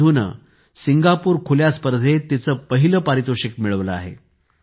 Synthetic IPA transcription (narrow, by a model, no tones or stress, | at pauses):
unə̰ | siŋɡapuːɾkʰuljaspəɾd̪ʱet̪it͡səːpəɦiləpaɾit̪uɕikmiɭəʋləa̰ɦḛ